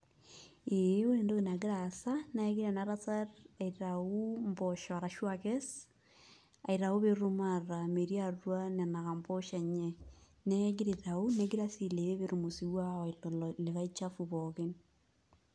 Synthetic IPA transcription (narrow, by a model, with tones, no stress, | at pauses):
e˦we˦ndo˦ɣe˨na˨ɡe˦ɾa˨sa˦na˦ɣi˦ɾa˨naɾa˦saɾa˨iɾau˦mbɔʃɔ˨a˨ɾa˨ʃwakɛ˦s | a̰˨i˨ɾa˨o˦βe˦ɾu˦maɾa˨me˨ɾiaɾwa˦nɛ˨na˨ɣa˨mbɔ˦ʃa˨ɲɛ | nɛ˦ɡi˦ɾe˨ta˨u˦nɛ˦ɡi˦ɾa˦si˨le˨ɾe˦βeɾu˨mo˨si˨wa˦ɔi˨lɔ˨lɔle˨ɣa˦it͡ʃafuβɔɣen